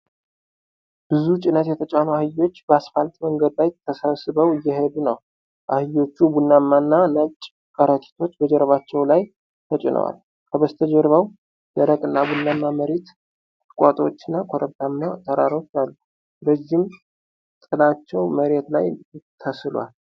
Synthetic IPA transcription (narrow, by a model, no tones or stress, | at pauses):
b̥ɨzut͡ʃʼɪnət̪jɛt̪ʰət͡ʃʼanoahɨjːo̞t͡ʃːbəasfalt̪ʼməŋɡəd̪lajt̪ʰːəsəβsɨβəwɨjːɛɦed̪unəw | ʔahɨjo̞t͡ʃːubunːamːanːanət͡ʃʼ | kʼəɾət̪ʰi̥t̪ʰo̞t͡ʃːbəd͡ʒɛɾəβat͡ʃːɛwlaj | t̪ʰət͡ʃʼɪnʔə̰wa̰l | kʰəβəst̪ʰəd͡ʒɛɾβəw | d̪əɾəkʼɨnːabunːamːaməɾet̪ | t̪ʼɨ̥kʼat̪ʼo̞̰t͡ʃːɨnːakʰoɾəβt̪ʰamnat̪ʰəɾaɾo̞t͡ʃːalːu | ɾəd͡ʒːɪm | t̪ʼɨlat͡ʃːɛwməɾe̞t̪la̰jɪt̪ʰːəsɨlwa̰l